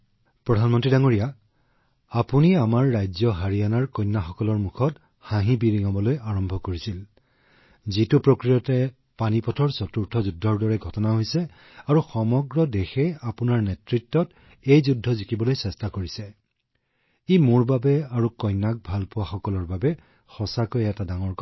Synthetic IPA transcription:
pɹɔdʱanmɔntɹidaŋoɹija | apuniamaɹːajzɔɦaɹianaɹkɔjnːaxɔkɔlɔɹmukʰɔt | hãɦĩbiɹiŋɔbɔlojaɹɔmbʱɔkoɹisil | zitupɹokɹijɔtɛ | panipɔtʰɔɹsɔtuɹtʰɔzudʱːɔɹdɔɹɛɡʱɔtɔnaɦojsɛ | aɹuxɔmɔɡɹɔdexɛapunaɹnɛtɹitːɔt | ejzudʱːɔzikibɔlojsɛstakoɹisɛ | imʊɹbabɛaɹukɔjnːak̚bʱalpʊwaxɔkɔlɔɹbabɛ | xɔsakojɛtadaŋɔɹk

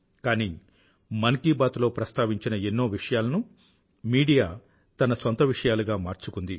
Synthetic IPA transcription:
kaːni | mɐnkiːbaːt̪ulo̞ːpɾɐst̪aːʋiɲt͡ʃinɐenːoːʋiʂɐjaːlɐnu | miːɽijaː | t̪ɐnɐsɐnt̪ɐʋiʂɐjaːlɐɡaːmaːɾt͡ʃukund̪i

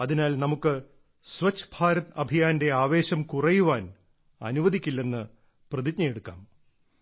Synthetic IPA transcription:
ɐðinaːlnɐmukːɨ | sʋɐt͡ɕːbʱaːɾɐt̪ɐbʱijaːnde̞aːʋe̞ːɕɐmkurɐjuʋaːn | ɐ̰nuʋɐd̪ʱikʲːilːe̞nːɨ | prɐðikɲɐjeɽukːa̰ːm

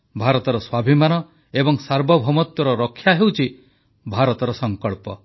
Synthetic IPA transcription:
bʱaɾɔt̪ɔɾɔswabʱimanɔ | ebɔŋsaɾbʱɔbʱɔmɔt̪jɔɾɔɾɔkʰːjaɦewt͡ʃʰi | bʱaɾɔt̪ɔɾɔsɔŋkɔɭpɔ

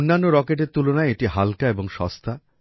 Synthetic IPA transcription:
onːanːoɾɔkeʈ̬eɾt̪ulonaeeʈiɦalkaeboŋʃɔ̰st̪ʰa

